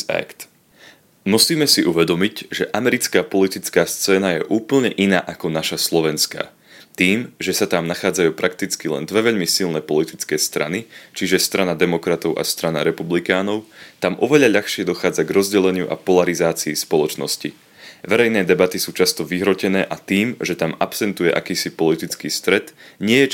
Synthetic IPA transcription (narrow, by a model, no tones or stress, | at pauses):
ɛ̰kt̪ | musiːmɛsiʔuʋɛd̪ɔmicʒɛʔamɛɾit͡skaːpɔlit̪it͡skaːst͡sɛːnajɛʔuːpl̩ɲɛʔinaːʔakɔnaʃaslˠɔʋɛnska̰ː | t̪iːmʒɛsat̪amnaxaːd͡zajuːpɾʔak̚t̪it͡skilɛ̰nd̪ʋɛʋɛʎmisilˠnɛpɔlit̪it͡skɛːst̪ɾa̰nit͡ʃiʒɛst̪ɾʔanad̪ɛmɔkɾat̪ɔʊʔa̰st̪ɾana̰ɾɛpublikaːnɔʊt̪amʔɔʋɛʎaʎaxʃɪɛd̪ɔxaːd͡zaɡɾɔzɟɛlɛɲɪuʔa̰pɔlaɾizaːt͡siːspɔlɔt͡ʃnɔscḭ | ʋɛɾɛjnɛːd̪ɛbat̪isuːt͡ʃast̪ɔʋiɦɾɔcɛnɛːʔat̪iːmʒɛt̪amapsɛnt̪ujɛʔa̰kiːsipɔlit̪it͡skiːst̪ɾɛt̪ɲɪɛjɛ